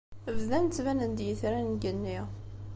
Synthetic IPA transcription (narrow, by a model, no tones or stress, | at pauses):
əvðænt͡s̪ːvænənd̪jəθɾænɡənːiʁ